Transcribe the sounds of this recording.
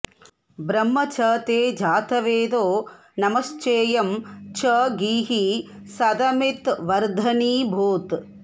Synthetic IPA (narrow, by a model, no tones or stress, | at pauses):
bɾɐmːɐt͡ʃʰɐːt̪eːd͡ʒaːt̪ɐʋeːd̪oː | nɐmɐst͡ʃeːjɐmt͡ʃɐɡiːɦisɐd̪ɐmit̪ʋɐɾd̪ʱɐniːbʱuːt̪